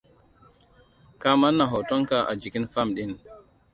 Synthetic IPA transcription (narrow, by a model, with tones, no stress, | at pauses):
kaː˦ma˦nːa˨ɦɔ˨tɔ˦ŋka˨ʔa̰˨d͡ʒi˨kʲi˦nfa˦mɗi˦n